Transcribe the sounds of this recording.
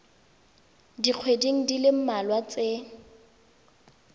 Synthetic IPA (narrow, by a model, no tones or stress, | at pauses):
diq͡χʰwediŋ̩dilɪm̩malwat͡se